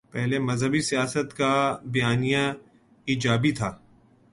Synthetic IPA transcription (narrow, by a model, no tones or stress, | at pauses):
pɛɦlemɐzɦəbisijaːsət̪kabɐjaːnijã | iːd͡ʒaːbit̪ʰaː